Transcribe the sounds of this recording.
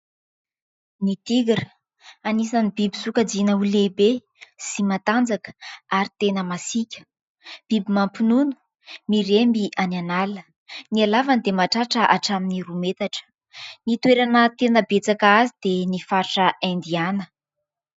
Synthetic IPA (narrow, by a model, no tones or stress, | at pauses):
nit̪iɡiɾə | anisanibibisukad͡zinəulebe | simat̪and͡zakə̥aɾit̪enəmasikʲə̥ | b̥ibimampinunu̥ | miɾembiʔananalə | nialavand̪emaʈ͡ʂaʈ͡ʂəʔaʈ͡ʂaminiɾumet̪aʈ͡ʂə̥ | nit̪weɾanət̪enəbet͡sakəazid̪enifaɾʈ͡ʂəand̪ianə